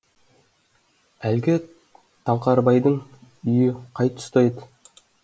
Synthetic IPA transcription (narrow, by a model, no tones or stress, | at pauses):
ælɡʲɪ | t̪ʰɑlˠqɑɾbɑjd̪əɴʏjɪqʰɑjt̪ʰʊ̥st̪ɑjd̪